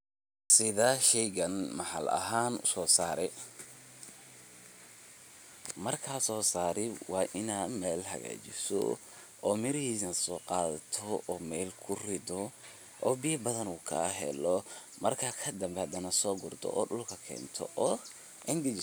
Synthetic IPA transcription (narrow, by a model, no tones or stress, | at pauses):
sɪðaʃɛjɣɐnmɑħɐ̰lʔɐ̰ɦaːnʊ̰sɔːsaːɾɛ | mɐrkʰasɔːsaːɾɛwɑːʔɪnaːd̪mɛːlhɐ̰ɣa̰ːt͡ʃɪsɔ̰ | ɔːmɪɾhiːsnɐsɔːqɑːðɐt̪ʰɔɔːmɛːlkʰʊrɪd̪ɔ | ʔɔːbɪjɐbɐðɐnuːkʰɐ̰ɦɛ̰lɔ | mɐrkʰɐkʰɐd̪ɐmbɛhɐd̪ɐnɐsɔːɡʊrd̪ɔ̰ʔɔːɖʊlkʰɐkʰɛ̰ːnt̪ʰɔ̰ʔɔː | ʔɪnd̪ɪt͡ʃ